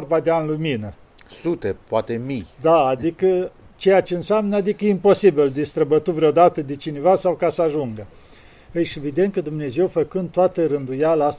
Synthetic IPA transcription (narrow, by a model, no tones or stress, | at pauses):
rbad̪eanluminə | sut̪epoat̪e̞mijd̪aːd̪ikə | t͡ʃe̞jat͡ʃeɨnsʲamnəad̪ikəjeimpo̞sibild̪est̪ɾəbət̪uvɾeod̪at̪əd̪et͡ʃinevasawkasəaʒuŋɡə | ɨʃevid̪e̞nt̪̚kəd̪umne̞ze̞wfəkɨnd̪̚t̪oat̪əɾɨnd̪ujaləast̪